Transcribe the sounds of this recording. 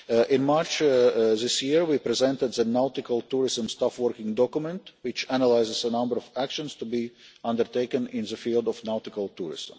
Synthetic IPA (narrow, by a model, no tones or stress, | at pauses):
ʔɪ̃nmɑɹt͡ʃðɪsjiɹwipɾɛzɛ̃ntɨd̪ðənaʊtɪkəlˠtuɹɪzə̃mstafwəɹkɪ̃ŋdɔkjmɛ̃ntwɪt͡ʃænəlaɪzɪzənʌ̃mbəɹɔvækʃə̃nst̪ubiʌ̃ndə˞teɪkə̃nɪ̃nðəfiːlˠdɔfnaʊtɪkəlˠtuɹɪ̰zə̰̃m